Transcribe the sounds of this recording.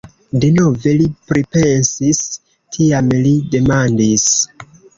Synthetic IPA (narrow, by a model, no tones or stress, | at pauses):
deno̞ve̞lipɾipe̞nsis | tʰiamlide̞mandis